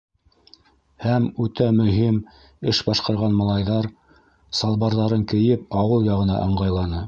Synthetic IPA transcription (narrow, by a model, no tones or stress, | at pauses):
hæmʉt̪æmɵ̆ɦim | ɘʃbɑʃqɑɾʁɑnmɑlˠɑjðɑɾ | sɑlˠβɑɾðɑɾɤŋkɘ̆jɘp̚ɑwɤlˠjɑʁɤ̆nɑ̰ʔɤ̆ɴɢɑjlˠɑnɤ